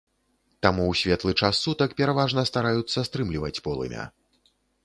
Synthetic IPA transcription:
t̪amuwsʲvʲɛt̪lˠɨt͡ʂasːut̪ɐkpʲɛɾavaʐnɐst̪aɾajut̪sːɐst̪ɾɨmlʲivɐt͡sʲpɔlˠɨ̰mʲɐ̰

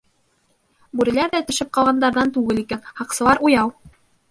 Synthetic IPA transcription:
bʉɾɘ̆læɾðæt̪ɵ̆ʃɘp̚qɑlˠʁɑnd̪ɑɾðɑnt̪ʉɡɘlikænhɑqsɤ̆lˠɑɾujɑw

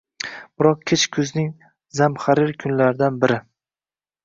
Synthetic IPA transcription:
b̥ɪɾɒq̚kʲʰet͡ʃkʰʊznɪŋ | zamχaɾɪɾkʰʊnlaɾɪd̪anbɪɾɪ

